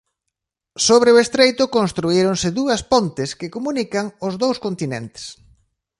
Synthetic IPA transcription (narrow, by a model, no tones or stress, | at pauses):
soβɾeʊest̪ɾejt̪ʊkonst̪ɾuiɾoŋsɪðuɐspont̪ɪskɪkomunikaŋʊzðowskont̪inɛ̰nt̪ɪ̥s